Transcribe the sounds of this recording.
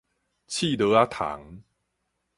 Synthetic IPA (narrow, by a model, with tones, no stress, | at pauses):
t͡ɕʰi˥˧˨d̪ə˨˧˦a˦t̪ʰa̰˨˦ŋ